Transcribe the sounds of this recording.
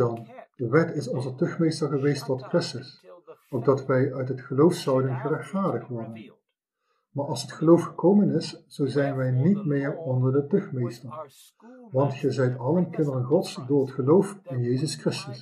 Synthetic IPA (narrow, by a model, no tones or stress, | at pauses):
ɑnd̥əʋɛtɪsɔnzətɵχmejstəɹχəʋejstɔtkrɪstəsok̚dɑtʋɛjʔœɥtɦətχəlowfsʌwdənχərɛxtfaːɹdəχtʋɔɹdən | maːɹʔɑlˠsətχəlowfχəkowmənɪsz̥owzɛjnʋɛjnitmɪːɹɔndəɹdətɵχmejstəɹ | ʋɑntχəzɛjtɑlənkɪndəənχɔtsdʊːɹɦətχəlowfɪnjejzəskrɪstəs